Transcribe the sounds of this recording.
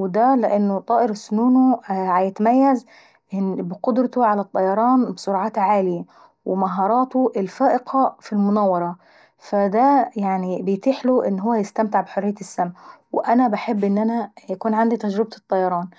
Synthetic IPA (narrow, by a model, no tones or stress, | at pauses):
wd̪ælɪʔɪnːʊt̪ˤɑːʔɪɾsʊnuːnuʕajɪt̪majːaz | ɪbɪqʊd̪ɾˤɑt̪ʊʕalat̪ˤːɑjɑɾˤɑːnbɪsˤʊɾɑʕɑːt̪ʕaːlɪja | wɪmaɦɑːɾˤɑːt̪oʔɪlfaːʔɪqʰɑfilmʊnæwːɑɾˤɑ | fad̪æjaʕnibɪjt̪iːħlʊʔɪnːɦʊwːæjɪst̪amt̪ɪʕbħʊrːɪjːaɪsːamwʔanabaħɪbːʔɪnːʔanæjakuːnʕand̪it̪ad͡ʒɾɪb̚t̪ɨt̪ˤːɑjɑɾˤɑːn